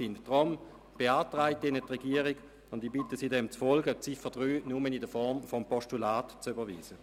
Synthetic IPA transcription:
ɪntd̥ʁɔm | b̥eaːtʁaɪtɪnətʁɛɡiəʁiɡ | ʊndibɪtəsidɛmt͡sfɔlɡət͡sifəd̥ʁyːnʊmənɪdəfɔʁmfɔmpɔʃtulaːtt͡sybɐʋiːz̥ə

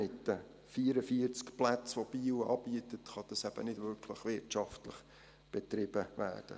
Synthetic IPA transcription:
ɪtːə | fiːɾəfiəɾt͡skplæt͡sʋob̥iːwɑ̰ːb̥iːətətχɑd̥ɑsæb̥ənɪd̥vʏɾkʰləχʋɪtt͡ʃɑftləχ | b̥ɛtɾɪb̥əʋæ̰ːrd̥ə̰

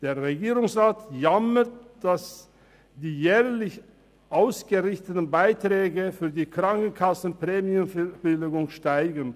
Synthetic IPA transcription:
d̥eːɐʁeɡiːʁʊŋsʁaːtjamətd̥as | d̥iːjɛːɐlɪç | ʔaʊsɡ̥əʁɪçtətn̩baɪtʁ̥ɛːɡəfyːɐdiːkʁ̥aŋkn̩kʰasn̩pʁ̥ɛːmjumb̥ɪlɪɡʊŋʃtaɪɡən̩

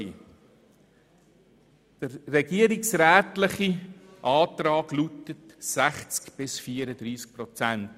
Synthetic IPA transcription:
d̥əɾːɛɡiəɾiksɾæːtlɪχiʔɑːtɾɑːɡlutətsæχt͡skb̥ɪsfiəɾəd̪ɾiːsk̚pɾɔt͡sænt

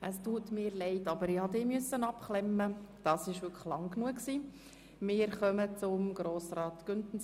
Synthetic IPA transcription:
ʔəstuːtmɪːɾlɛɪtɑbəɾɪhɑd̪ɪːmyəsːənɑpklɛmːəd̥ɑːsɪʃʋʏkʰə̥χlɑŋknuəksiː | mɪːɾχœmət͡sʊmɡɾoːsrɑːt̪ɡ̥ʏntn̩

